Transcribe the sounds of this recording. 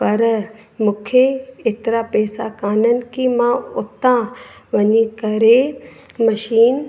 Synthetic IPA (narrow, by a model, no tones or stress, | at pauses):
pɐɾmũːkʰeeːt̪ɪɾapɛːsakaːnənɪ̆kʰimãʊt̪ãʋɐɲikɐɾemɐʃiːn